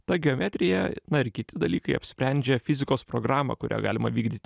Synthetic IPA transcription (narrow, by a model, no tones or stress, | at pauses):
t̪ɐɡʲɛoːmʲɛt̪ʲɾʲɪjɛnɐɪɾkʲɪt̪ʲɪd̪ɐlʲiːkɐɪɐpʲsʲpʲɾʲɛnʲd͡ʒʲɛfʲɪzʲɪkoːspɾoɡɾɑːmɐ̰kʊɾʲʔæ̰ːɡɑ̰ːlʲɪmɐ̰ʋʲiːɡd̪ʲiːt̪ʲ